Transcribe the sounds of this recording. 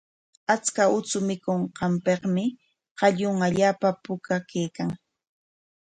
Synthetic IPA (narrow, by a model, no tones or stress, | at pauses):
at͡skaʊt͡sʊmɪkoɴqɑmpeχmɪ | qɑʎʊŋaʎaːpapʊkakejkaŋ